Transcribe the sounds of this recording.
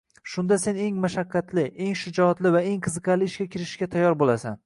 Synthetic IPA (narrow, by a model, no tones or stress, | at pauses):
ʃʊnd̪ase̞ne̞ŋmaʃaqʰːat̪ʰlɪʔe̞ŋʃʊd͡ʒɒt̪lɪvae̞ŋqʰɨzɨqʰɑlɪːʃkʲakʲʰɪɾɪʃʃkʲat̪ʰajːɒɾbolasan